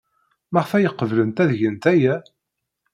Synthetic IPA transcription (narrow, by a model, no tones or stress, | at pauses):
mæʁfæjəqːəvlənt̪æðʝənt̪æjæ